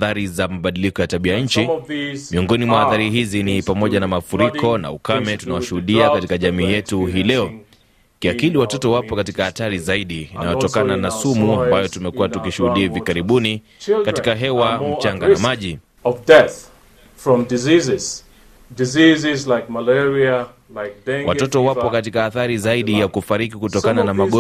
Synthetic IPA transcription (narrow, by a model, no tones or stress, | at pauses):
θaɾizamaɓaɗilikɔjataɓiaɲ̩t͡ʃimiɔŋɡɔnimwahaθaɾiɦizinipamɔʄanamafuɾikʰɔna̰ṵkamɛtunawaʃuhuɗiakatikaʄamiːjɛtuɦiːlɛɔ | kiakiliwatɔtɔwapɔkatikahataɾizaiɗinajɔtɔkananasumuambajɔtumɛkuwatukiʃuhuɗiaivikaɾiɓuni | t͡ʃkatikaɦɛwam̩t͡ʃaŋɡanamaʄi | ɔvdɛθ | fɹɔ̃mdizizɪz̥ | dizizɪzlaɪk̚malɛɹia | lak̚dɛ̃wʔatɔtɔwapɔkat̬ikaːθaɾizaiɗijakufaɾikikutɔkananamaɠɔ